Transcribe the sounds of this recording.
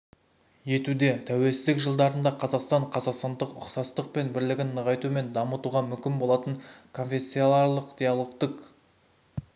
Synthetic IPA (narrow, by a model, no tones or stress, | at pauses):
je̞t̪ud̪e̞t̪ʰæwe̞lsɪzd̪ɪkʒəlˠd̪ɑɾənd̪ɑqʰɑzɑqst̪ɑɴqʰɑzɑqst̪ɑnd̪əqʊ̰qsɑst̪əq̚pe̞nbɪɾlɪɡʲɪnːəʁɑjt̪ume̞nd̪ɑmət̪uʁɑmʏmkʲɪnbo̞lˠɑt̪əɴkʰo̞nfʲe̞sːijolˠɑɾlˠəqd̪̥ejɑlˠo̞qt̪əq